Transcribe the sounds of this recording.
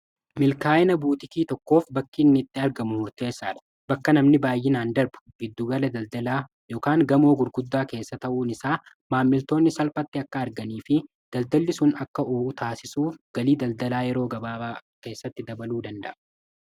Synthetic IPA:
mɪlkaːɪnɐbuːt̪ɪkiːt̪ɔkːo̞ːfbɐkːɪːnːɪɪt̪ʼːɪɐɾɡɐmʊmʊɾt̪e̞ːsaːᶑɐ̥ | bɐkːɐnɐmnɪbaːjːɪnaːnd̪ɐɾbʊ̥ɡɪd̪ːuːɡɐlɐd̪ɐld̪ɐlaː | jo̞ːkaːŋɡɐmo̞ːɡʊɾɡʊd̪ːaːke̞ːsːɐt̪ɐʔuːnɪsaː | maːmːɪlt̪o̞ːnːɪsɐlfɐt̪ːɪɐkːɐːɾɡɐniːfɪ | d̪̥ɐld̪ɐlːɪsʊnɐkːɐʔoːʔʊt̪aːsɪsuːfɡ̥ɐliːd̪ɐld̪ɐlaːjɛɾo̞ːɡɐbaːbaːke̞ːsːɐt̪ːɪd̪ɐbɐluːd̪ɐnd̪ɐ̰ʔɐ

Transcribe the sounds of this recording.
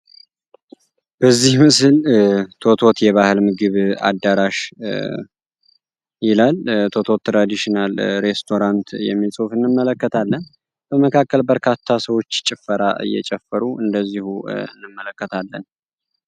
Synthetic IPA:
b̥əzːihmɨsɨlt̪ʰo̞t̪ʰo̞t̪jɛβahɨlmɨɡɨβa̰d̪ːaɾaʃ | jɪlalt̪ʰo̞t̪ʰo̞t̪ːɾad̪iʃinalɾe̞st̪ʰo̞ɾant̪jɛ̰mːisʼufɨnːɨmːələkːət̪ʰalːən | b̥əməkʰakːəlbəɾkʰat̪ʰːasəwo̞t͡ʃːt͡ʃʼɪfːəɾaɨ̰jːɛ̰t͡ʃʼɛfːəɾuɨnd̪əzːihuɨ̰nːɨmːələkːət̪ʰalːən

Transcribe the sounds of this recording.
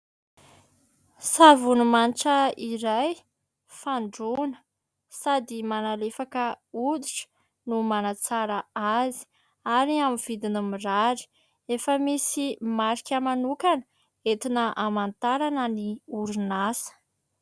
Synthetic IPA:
savunumanʈ͡ʂəiɾaj | faɳɖ͡ʐunə̥ | sad̪imanalefakəud̪iʈ͡ʂə̥ | numanat͡saɾaazi̥ | aɾiamiv̥id̪inəmiraɾi̥ | efəmisimaɾikʲəmanukanə | et̪inəʔamant̪aɾanəniuɾunasə̥

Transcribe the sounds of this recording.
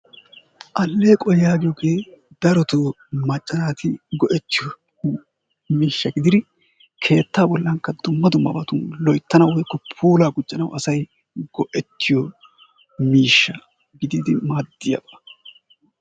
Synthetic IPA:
ʔɐlːe̞ːkʼɔjjaːɡɪjɔɡeː | d̪ɐɾɔt̪oː | mɐt͡ʃʼːɐnaːt̪ɪɡɔʔɛt̪ːɪjɔ | miːʃːɐɡɪd̪ɪɾɪ | kʰe̞ːt̪ːaːbɔlːɐŋkːɐd̪ʊmːɐd̪ʊmːɐ̰bɐt̪ʊnlɔjt̪ːɐnɐwɔjkːɔpʰuːlaːɡʊt͡ʃʼːɐnɐwʔɐsɐj | ɡɔʔɛt̪ːɪjɔ | miːʃːɐ | ɡɪd̪iːd̪ɪmaːd̪ːɪjɐ̰bɐ

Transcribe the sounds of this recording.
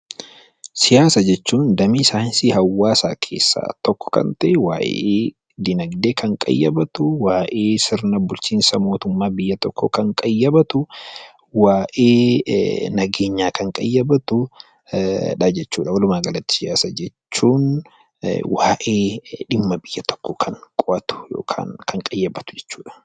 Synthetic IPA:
sɪjaːsɐd͡ʒɛt͡ʃːuːnd̪ɐmɪːsaːnsɪhɐwːaːsa̰ːkʰeːsːa̰ːt̪ɔkːɔ̥kɐ̰nt̪ɐʔɛwa̰ːʔḛeː | d̪ɪnɐɡd̪eːkʰɐŋkʼɐ̰jːɐbɐt̪ʊwaːʔeːsɪɾnɐbʊlt͡ʃiːnsɐmo̞ːt̪ʊmːaːbɪjːɐt̪ɔkːɔkɐŋkʼɐjːɐbɐt̪ʊ | waːʔeː | nɐɡe̞ːɲːaːkɐŋkʼɐjːɐbɐt̪ʊ | ᶑɐd͡ʒɛt͡ʃːuːᶑɐwɐlʊmaːɡɐlɐt̪ːɪ̥d͡ʒaːsɐd͡ʒɛt͡ʃːuːn | waːʔeːᶑɪmːɐbɪjːɐt̪ɔ̥kːɔkʰɐŋkʼʊʔɐt̪ʊ̥jo̰ːkʰa̰ːnkʰɐŋkʼɐjːɐbɐt̪ʊ̥d͡ʒɛ̥t͡ʃːuːᶑɐ̥

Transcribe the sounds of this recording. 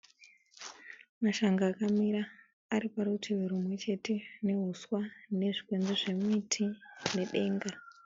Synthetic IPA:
maʃaŋɡaːkamiɾaː | ɾipaɾutʰiʋeɾumwe̞t͡ʃe̞te̞ne̞ɦuswane̞ʐikwe̞nd͡zeʐe̞muitʰine̞ɗe̞ːŋɡa

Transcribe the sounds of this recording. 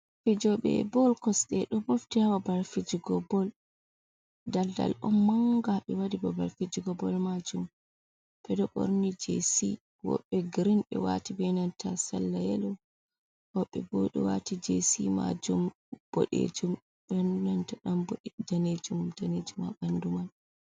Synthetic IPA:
fid͡ʒɔɓɛ̰bɔlkɔsɗɛɗɔboftihawabaɾfid͡ʒiɡɔbɔl | dalda̰lʔɔnːaŋɡaɓɛwadibɔbaɾfid͡ʒiɡɔbɔlmad͡ʒum | ɓ̥ɛdɔɓo̰ɾnid͡ʒḛsi | wɔ̰ɓːɛɡiɾinɓɛ̰watibɛnantasalːajɛlɔ | wɔɓːɛboɗḭwatid͡ʒesima̰d͡ʒum | b̥ɔ̰ɗḛd͡ʒum | ɓɛnantaɗambd͡ʒaned͡ʒumdaned͡ʒuma̰ɓanduman

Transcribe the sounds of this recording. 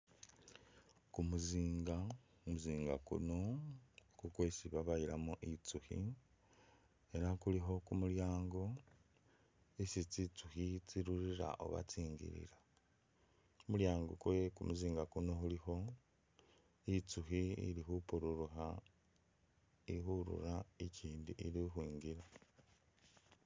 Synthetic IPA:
kumuziːŋɡa | umuziːŋɡa̰kṵno̞ | kukwesiβaβajiɾamoʔit͡suhḭ | eɾakuliɦo̞kumuljaːŋɡo̞ | isit͡sit͡suxit͡siɾuɾiɾa̰ʔo̰βa̰t͡siːŋɡḭɾḭɾḁ | omuljaːŋɡokwkumuziːŋɡakuno̞hulixo̞ | it͡suxiḭlixupuɾuɾuxa | iixuɾṵɾaiciːndiʔiɾixwiːŋɡiɾa

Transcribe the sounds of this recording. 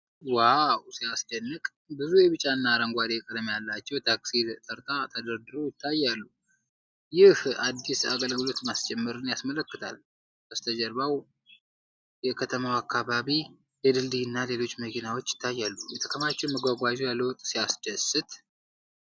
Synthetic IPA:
wawsijasd̪ənːɨkʼ | bɨzujɛβɨt͡ʃʼanːaɾəŋɡʷad̪eɛkʼəd̪mjalːat͡ʃːɛwt̪ʰaksid̪t̪ʼʰəɾt̪ʰʼat̪ʰəd̪əɾd̪ɨɾojɪt̪ʰːajːalːu | jɪhad̪ːisa̰kʼəlɡɨlo̞t̪mast͡ʃɛmːɨɾɨnjasmələkːɨt̪ʰa̰l | kəst̪ʰəd͡ʒəɾβaw | jɛkʰət̪ʰəmawakʰːaβaβi | jɛd̪ɨld̪iɨnːale̞lo̞t͡ʃːməkʰinawo̞t͡ʃːjɪ̥t̪ʰːajːalːujɛt̪ʰə̥kʰəmat͡ʃːɛwməɡʷaɡʷad͡ʒujalːəwɔt̪ʼːsijasd̪əsɨt̪ʰ

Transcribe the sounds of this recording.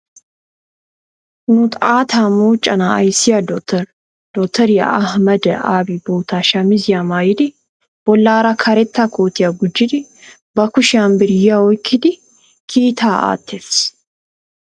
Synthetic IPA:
nʊt̪ʼaːt̪ʰamoːt͡ʃʼːɐnaɐjsɪjad̪ɔk̚t̪ʰɛɾ | d̪̥ɔk̚t̪ʰɛɾjɐ̰ʔɐhmɐd̪aːbiboːt̪aːʃɐmɪzjamaːjɪd̪ɪ | b̥ɔlːaːɾɐkʰɐɾɛt̪ːakʰoːt̪ɪjɐɡʊd͡ʒːɪd̪ɪ | bɐkʊʃaːnbɪɾjaɔjkʰːɪd̪ɪ | kʰiːt̪ʰaːa̰ːt̪ʰːefs

